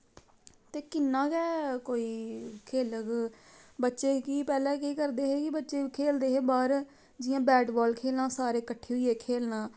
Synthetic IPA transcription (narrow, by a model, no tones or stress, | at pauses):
t̪eːkɪnːãːkɛːkoːiːkʰeːləɡbətːʃeːkiːpɛːlɛ̃ːkiːkəɾd̪eːɦeːkɪbətːʃeːkʰeːld̪eːɦeːbaːɾ | d͡ʒɪjãːbɛːʈbɔːlkʰeːlnãːsaːɾeːkəʈʰːeːɦʊiːeːkʰeːlnãː